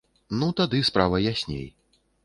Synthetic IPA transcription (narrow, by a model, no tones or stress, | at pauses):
nut̪ad̪ɨspɾavɐjasʲnʲḛj